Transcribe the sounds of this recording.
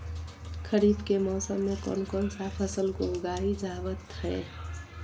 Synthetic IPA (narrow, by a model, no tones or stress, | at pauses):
kʰəɾiːbkemɔːsəmːekɔ̰nkɔnsaːpʰəsəlkoɡaːɦid͡ʒaːʋət̪hɛː